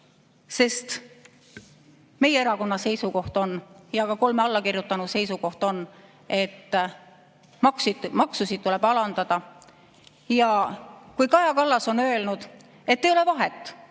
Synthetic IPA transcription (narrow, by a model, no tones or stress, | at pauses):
se̞st̪ | me̞jeeɾɑko̞nːɑse̞jsuko̞ht̪o̞njɑkɑko̞lmeɑlːɑkirjut̪ˑːɑnu̥se̞jsuko̞ht̪o̞nː | e̞t̪ː | mɑksimɑksusid̪̥̚t̪ule̞b̥ɑlɑnd̪̥ɑd̪̥ɑ | jɑkujkɑjɑkɑlːɑso̞nø̞e̞lnud̪̥ | e̞t̪ːejole̞vɑɦet̪ːˑ